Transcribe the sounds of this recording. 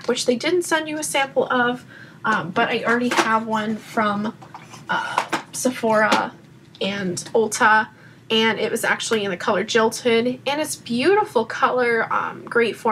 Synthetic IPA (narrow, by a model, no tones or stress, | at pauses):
wɨt͡ʃðeɪdɪdⁿn̩tsɛ̃nd͡ʒɨɨsæ̃mpl̩ˠʌv̥ | ʔʌ̃mb̥ʌɾʔaɪʔl̩ˠɹɛɾiəvwʌ̃nfɹʌ̃m | ʌsəfɔɹə̰ | ɨ̃nolˠtʰə | ɨ̃nɪ̰ʔ̚wʔʌzæ̰k̚t͡ʃul̩ˠiɨ̃nɨkʰʌlˠə˞d͡ʒɪlˠthʊɾɨ̃nɨtsb̥jʉɾəfl̩ˠkʰʌlˠə˞ʌ̰̃mɡ̥ɹeɪtfɔ